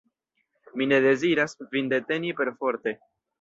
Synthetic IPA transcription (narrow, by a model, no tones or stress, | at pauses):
mine̞de̞ziɾasvinde̞te̞nipe̞ɾfo̞ɾte̞